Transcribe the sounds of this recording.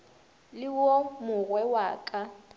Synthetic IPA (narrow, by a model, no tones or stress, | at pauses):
lɪwɔmʊɣwɛwaːkʼa